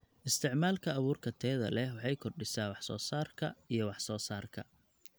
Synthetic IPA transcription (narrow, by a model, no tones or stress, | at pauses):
ʔɪst̪ʰɪʕmaːlkʰɐːβuːrkʰɐt̪ʰɛːðɐ̰lɛwɑħɑjkʰɔrɖɪsaːwɑħsɔːsaːrkʰɐijɞwɑħsɔːsaːrkʰɐ̰